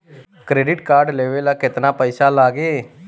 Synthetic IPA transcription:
kɾeːɖɪʈkaːɾɖleːʋelaːkɪt̪naːpəisaːlaːɡeː

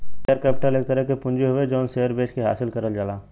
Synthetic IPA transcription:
ejəɾkeːp̚ʈəleːk̚t̪əɾəɦkepʊ̃nd͡ʒeɦʊʋed͡ʒɔːnseːəɾbeːt͡ʃkeɦa̰ːsɪlkɐɾəld͡ʒaːlaː

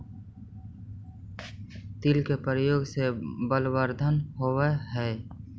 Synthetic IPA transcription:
t̪ilkepəɾəjoːɡsebəlwəɾd̪ʱənɦoweɦɛː

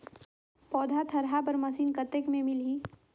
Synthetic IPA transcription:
pɔːd̪ʱat̪ʰɐɾɦapɐɾmɐsiːnkɐt̪ekmẽmɪlɦiː

